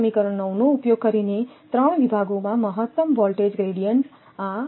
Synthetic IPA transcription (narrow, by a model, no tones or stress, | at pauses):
mikʌɾʌnʌwnoupjoɡ̚kʌɾinet̪rʌɳ̃bibʱaɡomamʌɦʌt̪ːʌmbʌlʈed͡zɡreɽijʌɳʈ | a